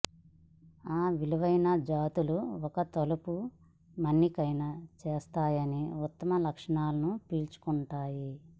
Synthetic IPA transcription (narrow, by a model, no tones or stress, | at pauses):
aːʋiluʋɐjnɐd͡ʒaːt̪uluɔkɐt̪ɐlupu | mɐnːikɐjnɐt͡ʃeːst̪aːjɐniut̪ːɐmɐlɐkʂɐɳaːlɐnupiːlt͡ʃu̥kuɳʈaːji